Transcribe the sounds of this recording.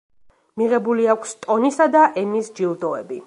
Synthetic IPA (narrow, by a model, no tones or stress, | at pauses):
miʁɛbuliakʷʰst̪ʼɔnisad̪aʔɛnisd͡ʒilˠd̪ɔɛbi